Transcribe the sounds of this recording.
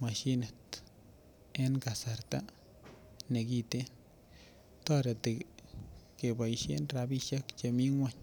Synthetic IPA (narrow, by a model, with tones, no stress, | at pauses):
ma˨ʃi˦ne˨t̪ | e˦nka˨sa˧ɾt̪a˦ | ne˨ɡi˧t̪e˦n | t̪o˦ɾa˨t̪e˨ | ke˨ba˨jʃḛ˦nɾa˧bi˧ʃa˦kt͡ʃa˧mi˦ŋwa˦ɲ